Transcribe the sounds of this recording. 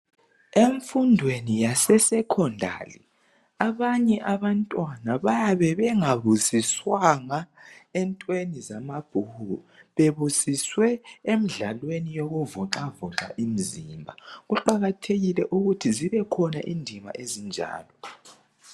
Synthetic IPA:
eɱfundʱwenijasɛsɛkʰɔndʱa̰ːlḭ | aβaɲɛʔaβantʼwanaβajaβɛβɛŋaβusiswaŋaɛntʼwenizamab̥ʱuhu | βeβusiswɛem̩ɮalwenijoɣuvɔǁavɔǁa̰ʔim̩zimbʱaɣuǃaɣatʰeɣilɛʔuɣutʰiziβɛkʰɔna̰ʔindʱima̰ʔezind͡ʒʱa̰ːlɔ

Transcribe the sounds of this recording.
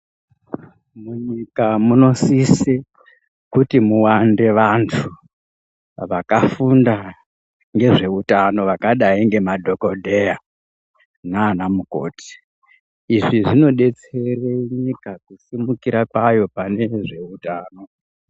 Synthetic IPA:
muɲikamuno̞sise | kutimuwande̞ʋantʰu | ʋakafunda | ŋɡe̞ʐe̞utano̞ʋakaɗaiŋɡe̞madʱo̞ko̞dʱe̞ja | naːnamuko̞̰ːti̥ː | ʐiʐino̞ɗe̞t͡se̞reiɲikakusimukiɾakwajo̞pane̞ʐe̞utaːno̞

